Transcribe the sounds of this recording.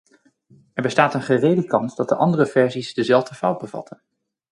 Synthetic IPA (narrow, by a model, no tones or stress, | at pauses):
ɛɹbəstaːtənχərejdəkɑnsdɑt̚dəʔɑndərəvɛɹzizdəzɛlˠvdəfʌwd̚bəvɑ̰tʰən